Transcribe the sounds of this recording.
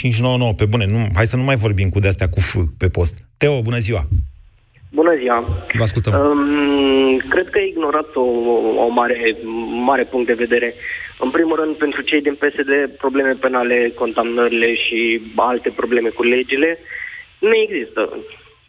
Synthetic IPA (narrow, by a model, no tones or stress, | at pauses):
t͡ʃint͡ʃno̞wənowəpe̞bune̞nuɦaj̪sənumajvo̞rbimkud̪east̪eakufɨpe̞po̞st̪̚ːeobunəziwa | bunəziwavəaskult̪ə | kɾe̞d̪̚kəaiɡno̞ɾat̪oo̰maɾe̞maɾe̞puŋkt̪d̪e̞ve̞d̪e̞ɾe̞ɨnpɾimulrɨnd̪̚pe̞nt̪ɾut͡ʃe̞jd̪inpe̞se̞d̪e̞pɾo̞ble̞me̞pe̞nale̞ko̞nt̪amnəɾile̞ʃialt̪e̞pɾo̞ble̞me̞kule̞d͡ʒile̞ | neeɡzist̪ə